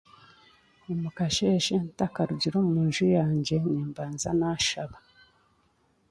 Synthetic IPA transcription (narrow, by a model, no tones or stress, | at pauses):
nimukaʃeʃentakaɾuɟiɾomuːnʒujaːɲɟe̞niːmbaːnzanaʃaβa